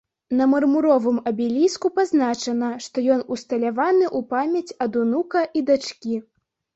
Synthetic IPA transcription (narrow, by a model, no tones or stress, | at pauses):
nɐmɐrmuɾɔvɨmɐbʲilʲiskupaznat͡ʂɐnɐʂt̪ɔjɔnust̪ɐlʲavanɨʔupamʲɐt͡sʲɐd̪unukɐʔid̪at͡ʂkʲi